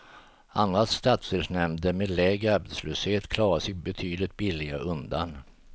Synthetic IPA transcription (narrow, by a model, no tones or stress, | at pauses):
and̪ɾast̪at̪sɪlsnɛmd̪əmeːd̪lɛːɡɾaɾbɛt̪sløːsheːt̪kʰlɑːɾasɛɡbɛt̪ʰyːd̪lɪt̪̚bɪlːɪɡaʔɵnd̪a̰n